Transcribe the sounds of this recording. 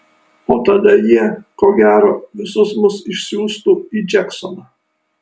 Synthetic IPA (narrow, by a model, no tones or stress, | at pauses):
oːt̪ɐd̪ɐjiɛkoːɡʲæːɾoːʋʲɪsʊsmʊsɪʃʲsʲuːst̪uːiːd͡ʒʲɛksɔnɐ